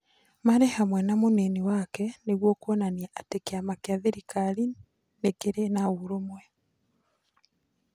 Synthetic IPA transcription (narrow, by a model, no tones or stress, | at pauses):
maɾehamwɛnamoneniwakɛneɣwokwɔnaniaʔatekeamakeaðeɾikaɾi | nekeɾenauɾomwɛ